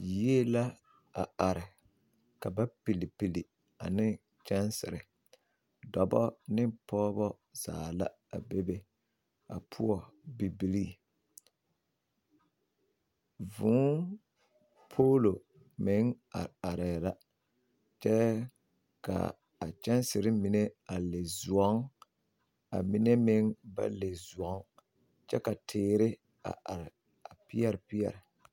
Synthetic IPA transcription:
je˦la˦ | a̰˨a˨ɾɪ˨ | ka˨ba˦pi˨li˨pi˨li˨ | a˨nɪ˦ | t͡ʃɛ˦nsɪ̰˨ɾɪ˨ | dɔ˨bɔ˦nɪ˦pɔː˦bɔ˦ | z̥a̰ː˨la̰˦ | a̰˨be˦be˦ | a̰˨pʰʊ˦ɔ˨bi˨bi˨ɾi˦˨ | vʊ̃˨˦ | pʰo˦lo˨ | mɪ˨˦ŋ | a̰˨a˨ɾɛː˨la˦ | t͡ʃɛ˦ | ka̰˨ | a˨t͡ʃɛ˦nsɪ˨ɾɪ˦mɪ˨nɛ˦a˨le˨zwɔ˨˦ŋ | a̰˨mi˦nɛ˦mɪ˦ŋba̰˦le˨zu˨ɔ˨˦ŋ | t͡ʃɛ˦ka˨tʰɪː˦ɾɪ˦ | a̰˨ʔa˨ɾɪ˨ | a˨pɪ˦ɛ˦ɾɪ˨pi˦jɛ̰˨ɾɪ˨

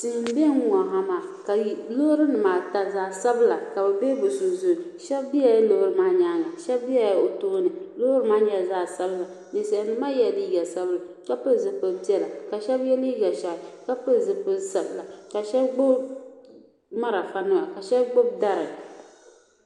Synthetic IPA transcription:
tɪ˨hm˦be˦ŋ˦ŋɔ˨ɦa˨maː˨ka˨lo˦ɾɨ˦nɨ˨maː˨ta˨zaː˨sa˦bɨ˦la˨ka˨bɛ˨be˦bɨ˨su˨zu˦˨ʃɛ˦bbi˦a˨jlo˦ʔɾɨ˨˦maː˦ɲaː˦ŋa˨ʃɛ˦bbi˦a˨jo˨toː˦nɨ˨lo˦ho˦ɾɨ˦maː˦ɲɛ˦˨zaː˦˨sa˦bla˨ | nɨ˨sa˨nɨ˦ma˦jɛ˨dɨ˦jɛ˨sa˦bɨ˦la˨ | ka˦pɨ˦˨zɨ˨pɨ˦bi˦ɛ˦˨la˨ka˨ʃɛ˦bjɛ˦li˦ɡa˨ʃa˨ʔɪ˨ka˦pɨ˦˨zɨ˨pɨ˦za˨bla˨ka˨ʃɛ˦bɡ͡bo˦b | ma˦ɾa˨fa˨nɨ˦a˨ka˨ʃɛ˦bɡ͡bʊ˦bda˦ɾɨ˨

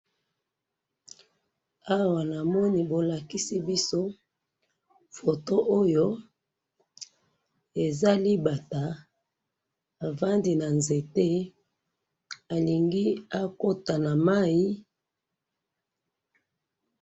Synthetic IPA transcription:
a˦wa˨na˨mɔ˦ni˦bo˨la˨ki˦si˦bi˦so˦ | fo˨to˦ʔo˦jo˦ | e˨za˦li˦ba˨ta˨ | a˨va˦ndi˨na˨nze˨te˦ | a˨li˨ŋɡi˦a˦ko˦ta˨na˨ma˦ji˦

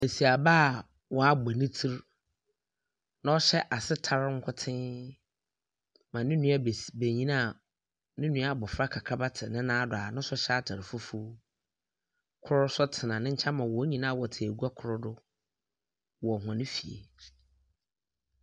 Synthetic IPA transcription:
e˨si˨a˨baː˦˨ | wɔ˦a˦ɡ͡ba˨nɪ̃˦tʰi˦ɾ | nã˦ɔ˦ɕɛ˦ʔa˨sɪ˦tʰa˦ɾŋ̩˦kʰʊ˦tʰɪ̃˦ | mã˨nɪ̃˦nũ˦a˦˨be˨ɲĩ˦nã˦˨ | nɪ̃˦nũ˦a˦˨bɔ˨fɾa˦kʰa˨kʰa˦ba˦tʰɪ˨nɪ̃˦nãː˦dʊ˨a˨nʊ̃˦sʊ˦ɕɛ˦a˦˨tʰa˨ɾɪ˨fʊ˦fu˦ | kʰʊ˦ɾʊ˦sʊ˦tʰɪ˨nã˨nɪ̃˦ɲ̩˦t͡ɕʰa˦mã˨wɔ˨˦ɲĩ˨nã˦˨wɔ˨tʰɪ˨e˨ɡu˦a˦kʰʊ˦ɾʊ˦dʊ˦ | wɔ˨hã˨nɪ̃˦fi˨ḛ˨

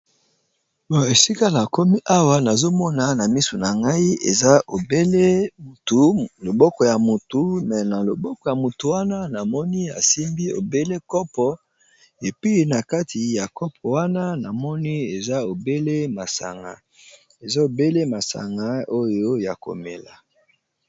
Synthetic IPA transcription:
bɔ˨e˨si˦ka˦la˨ko˦mi˦ʔa˦wa˦na˨zo˦mɔ˦na˨na˨mi˦so˨na˨ŋɡa˦i˦ḛ˨za˦ʔo˨be˦le˦˨tu˨lo˨bɔ˦kɔ˨ja˨mu˨tu˨mɛ˨na˨lo˨bɔ˦kɔ˨ja˨mu˨tu˨wa˦na˦na˨mɔ˦ni˦a̰˨si˦mbi˦o̰˨be˦le˦kɔ˦pɔ˦ | e˨pi˦˨na˨ka˦tʰi˨ja˨kɔ˦p̚ʰɔ˨wa˦na˦na˨mɔ˦ni˦e˨za˦o˨be˦le˦ma˨sa̰˨ŋɡa̰˨ | e˨za˦o˨be˦le˦ma˨sa̰˨ŋɡa˦o˦jo˦ja˨ko̰˨mḛ˨la̰˨

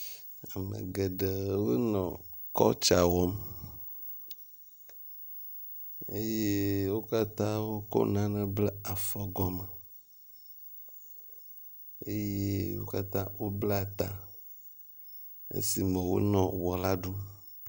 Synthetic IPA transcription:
a˨mḛ̃˨ɡe˨ɖe˨wo˦nɔ̃˨ | kɔ˦t͡ʃa˨wɔ˦m | e˦je˦wo˦ka˦t̪ã˦wo˦kɔ̰˦nã˦nɛ̃˦ble˦a˨fɔ˦ɡɔ˦mə˨ | e˦je˦wo̰˦ka˦t̪ã˦wo˦ble˦a˨t̪a˨ | ḛ˦si˨mẽ˨wo̰˦nɔ̃˨wɔ˨la˦ɖu˦

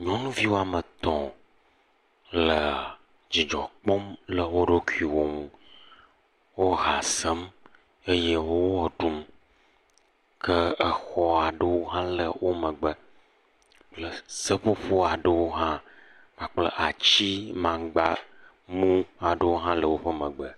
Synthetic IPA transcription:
ɲɔ̃˦nũ˦vi˦wo˦a˨mə˨t̪ɔ̃˨ | lə˨ | d͡ʑi˨d͡ʒɔ˨k͡pɔ˦mlə˨wo˦ɖo˦ku˦˨i˨wo˦mũ˦ | wo˦ɦa˨sə˦m | e˦je˦wo˦wo˦ɔ˨ɖu˦m | kʰə˦ə˨xɔ˦a˨ɖə˦wo˦ɦã˦lə˨wʔo˦mə̃˨ɡ͡bə˨ | lə˨sə˦ɸo˦ɸo˦a˨ɖə˦wo˦ɦã˦ | mã˨k͡plə̰˦˨ʔa˨t͡ɕi˦mã˨ɡ͡ba˦ | mũ˦a˨ɖə˦wo˦ɦã˦lə˨wo˦ɸə˦mə̃˨ɡ͡bə˨

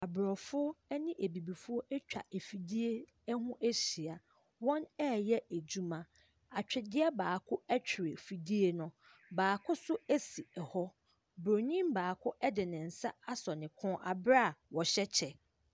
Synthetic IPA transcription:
a˨bɾɔ˨fʊ˦ɔ˦ɛ˦nɪ̃˦ʔe˨bi˨bi˨fʊ˦ɔ˦ʔɛ˦t͡ɕᶣa̰˨ʔe˨fi˨di˦e˦ | hʊ̃˦ʔɛ˦ɕi˨a˨ | wɔ̃˦nɛ˦˨jɛ˦e˨d͡ʑu˦mã˨ | a˨t͡ɕᶣɪ˨dɪ˦ɛ˦baː˨kʰʊ˦ɛ˦t͡ɕᶣʰɪ˨ɾɪ˨fi˨di˦e˦nʊ̃˦ | baː˨kʰʊ˦sʊ˦æ˦si˨ɛ˨hɔ˦ | bɾo˨ɲĩ˦mbaː˨kʰʊ˦ʔɛ˦dɪ˨nɪ̃˨n̩˨sa˦a˦sɔ˨nɪ̃˨kʰʊ̃˦ʔa˨bɾa˦˨wɔ˨ɕɛ˦t͡ɕʰɛ˨

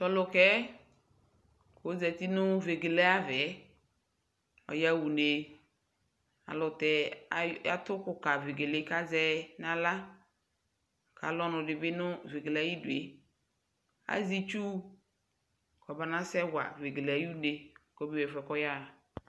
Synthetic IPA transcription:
t͡ʃɔ˦lʊ˨kɛ˦ | ko˦zɛ˨t̪i˦nʊ˦ve˨ɡe˨lɛ˦a˦vɛ˨˦ | ɔ̰˨ja˦wu˨ne˨ | a̰˨lʊ˨tɛ˨˦a̰˨t̪ʊ˦kʊ˨ka˨ve˨ɡe˨lɪ˦ka˦zɛ˦nã˨la˦ | ka̰˨˦lɔ˦nʊ̃˨dɪ˨bɪ˦nʊ̃˦ve˨ɡe˨la˨˦ji˦de˨ | a̰˨zi˦t͡ʃu˦ | kɔ˨ba˨nã˦sɛ˦wa̰˨ve˨ɡe˨la˨˦ju˦ne˨kɔ˨˦be˦wɛ˨fɛ˨kɔ˦ja˦˨

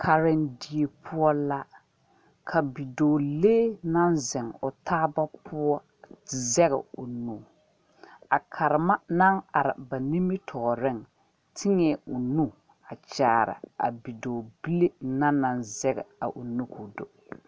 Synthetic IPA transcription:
kʰa˨ɾɪ˦ndi˦e˨pʰʊ˦ɔ˦la˦ | kʰa˨bi˨doː˨leː˦na˦nzɛ˨ŋʊ˨tʰaː˦ba˦pʰʊ˦ɔ˦˨ | zɛ˦ɣɛ̰˨o˨nu˨ | a˨kʰa˨ɾɪ˨ma˦na˦ŋa̰˨ɾɪ̰˨ba˨ni˦mɪ˦tʰɔ˨ɾɪ˦ŋ | tʰɪ˦ŋɛ˨ʊ˨nu˦ | a˨t͡ʃaː˨ɾɪ̰˨a̰˨bi˨doː˨bi˦le˦na˦na˨nzɛ˦ɡɛ̰˨a˨ʔo˨nu˦kʰu˨do˨

